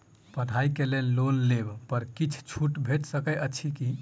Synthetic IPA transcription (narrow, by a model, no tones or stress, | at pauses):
pəʈʰaikelellonlebpəɾkit͡ʃʰt͡ʃʰuʈbʱeʈsəkəʔəːt͡ʃʰiki